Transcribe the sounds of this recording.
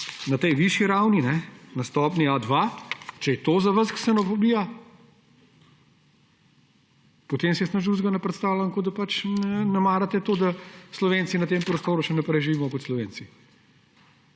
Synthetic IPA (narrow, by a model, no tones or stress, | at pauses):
nɐt̪ɛjʋiʃjiɾawninɛnɐst̪ɔːpniad̪ʋat͡ʃɛjɛt̪oːzɐʋəɾsksɛnofobiːja | pɔt̪eːmsiɛsnɐʃd̪uzɡanɛpɾɛt̪st̪aːwlaŋkod̪apat͡ʃnɛnɛmaːɾat̪ɛt̪oːd̪aslɔʋeːnt͡s̪inɐt̪eːmpɾɔst̪oːɾuʃɛnɐpɾɛjʒiʋiːmɔkɔt̪slɔʋeːnsi